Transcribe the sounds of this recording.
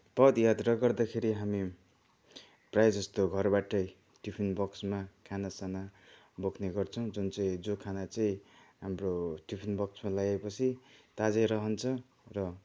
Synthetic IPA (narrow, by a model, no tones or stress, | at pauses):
pʌd̪jad̪rʌɡʌrd̪akʰeɾiɦami | prajd͡zʌst̪oɡʱʌrbaʈʌj | ʈipʰinbʌksmakʰanasana | bokʰneɡʌrt͡sʰʌw̃d͡zunt͡saĩd͡zokʰanat͡saĩɦamroʈipʰinbʌksmalaɡepʌt͡sʰit̪ad͡zeɾʌɦʌnt͡sʰʌ | rʌ